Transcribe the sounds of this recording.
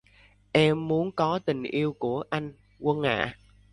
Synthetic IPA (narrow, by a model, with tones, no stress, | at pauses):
ʔɛ˧mːu˨˦ənkɔ˨˦t̪ï˨˩ŋ̟ʔi˧əwku˧˩əʔa˧jŋ̟ | kə˧nŋa̰ː˧˨